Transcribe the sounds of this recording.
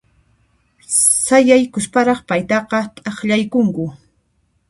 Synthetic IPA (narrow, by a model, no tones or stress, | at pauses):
sajajkʊspaɾɑχpajt̪ɑqɑt̪ʼɑχʎajkʊŋkʊ